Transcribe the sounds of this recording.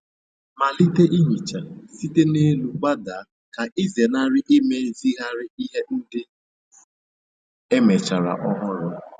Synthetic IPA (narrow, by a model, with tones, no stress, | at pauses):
ma˨li˦te˦ʔi˦ɦi˨t͡ʃa˨si˦te˦ne˦lu˨ɡ͡ba˦da˨˦ | ka˨ʔi˦ze˨na˦ɾɪ˦ʔɪ˦me˦zi˦ɣa˦ɾɪ˦i˦ɦe˦n̩˦dɪ˦ | e˦me˨t͡ʃa˨ɾa̰˨ʔɔ˦ɦʊ˦ɾʊ˦